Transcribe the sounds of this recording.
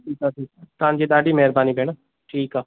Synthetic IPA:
iːkaːʈʰiːkat̪ãːnd͡ʒeːd̪aːɖiːmɛːɾbaːniːbɛːɽa | ʈʰiːkaː

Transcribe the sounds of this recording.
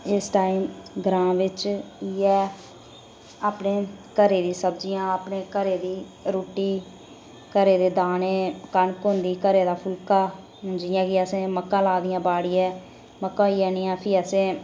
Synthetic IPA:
ɪsʈaːiːmɡɾãːʋɪt͡ʃiːɛː | aːpneːkəɾeːd̪iːsəbd͡ʒɪjãːaːpɳeːkəɾeːd̪iː | ɾoːʈːiː | kəɾeːd̪eːd̪aːneːkənkoːnd̪iːkəɾeːd̪aːpʰʊlkaː | ɦʊnd͡ʒɪjãːkɪəsẽːməkːãːlaːd̪ɪjãːbaːɽiːɛː | məkːãːiːɛːniːãːpʰiːəsẽː

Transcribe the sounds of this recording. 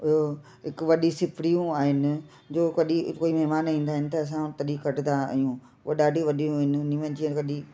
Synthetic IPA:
ʊo | ɦɪkʋɐɗisɪpɽijũaːɦɪnɪ̆ | d͡ʑoːkɐɗikoːimɐɦmaːnĩːn̆d̪aːɦɪnɪ̆t̪ɐːs̬ãt̪ɐɗikɐʈd̪a̰ijũ | oɗaːɖʱiʋɐɗijũɪnɪnĩʋə̃nd͡ʑiəkɐɗi

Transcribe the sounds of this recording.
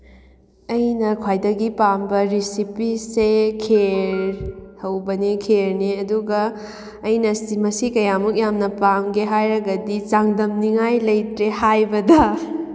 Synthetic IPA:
ɐjnɐkʰwajdɐɡipambɐɾisipisekʰeɾhɐwbɐnikʰeɾniɐduɡɐː | jnɐsimɐsikɐjamuk̚jamnɐpamɡeɦajɾɐɡɐdit͡ʃaŋdɐmniŋajlɐjtɾehajbɐdɐ

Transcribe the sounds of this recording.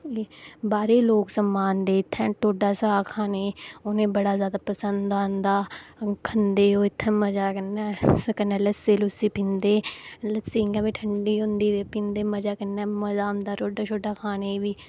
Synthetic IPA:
eːbaːɾeːloːksəmːaːnd̪eːɪt̪ʰːɛ̃ːʈoːɖaːsaːkʰaːneːʊnẽːbəɽaːzjaːd̪aːpəsənd̪ãːnd̪aːkʰənd̪eːoːɪt̪ʰːɛ̃ːməd͡ʒaːkənɛːsəkənɛːləseːlʊsiːpɪ̃nd̪eːləsiːŋɡãːbiːʈʰəɳɖiːɦʊ̃nd̪iːd̪eːpɪ̃nd̪eːməd͡ʒaːkənːɛːməzaːmd̪aːʈʰoːɖaːt͡ʃʰoːɖaːkʰaːneːbiː

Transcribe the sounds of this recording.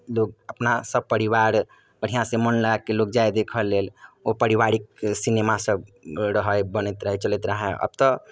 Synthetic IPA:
loɡəpnasəb̚pəɾiwaɾ | b̥əɽ̤ijãsẽmənlakːelok̚d͡ʒajd̪ekʰəlːelopəɾiʋaɾik̚sinemasəbɾəɦəbənət̪ɾəɦɛt͡ʃələt̪ɾəɦɛə̰b̚t̪ɔ

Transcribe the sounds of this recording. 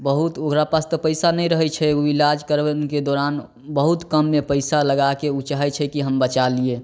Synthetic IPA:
bəɦut̪oɡɾapast̪ɔpəɪsanəj̃ɾəɦɛt͡ʃʰɛuilad͡ʒkəɾked̪oːɾan | bəɦut̪kəmːepəɪsaləɡakeut͡ʃaɦɛt͡ʃʰɛkiɦəmbət͡ʃalie

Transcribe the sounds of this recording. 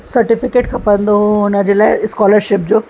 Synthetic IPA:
sɐɾʈɪfɪkeːʈkʰɐ̃pəɾə̃nd̪oɦũɦʊnə̆d͡ʑelaːɪskɔːləɾʃɪp̚d͡ʑoː

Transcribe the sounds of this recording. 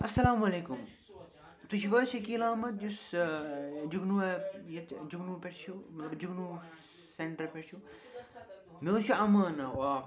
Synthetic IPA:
ɐsɐlaːmɐleːkum | t̪uʃʰiʋɐsɐkilaːmɐt̪̚d͡ʒus | d͡ʒuɡnuɐjɐt̪d͡ʒuɡnupʲeʈʰt͡ʃʰumɐt̪lɐbd͡ʒuɡnu | seɳʈɐɾpeʈt͡ʃʰu | met͡ʃʰuɐmɐːnɐa

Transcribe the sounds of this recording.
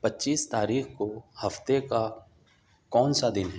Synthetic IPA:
pətːʃiːst̪aːɾiːxkohɐft̪eka | kɔːnsad̪ɪnɦɛ

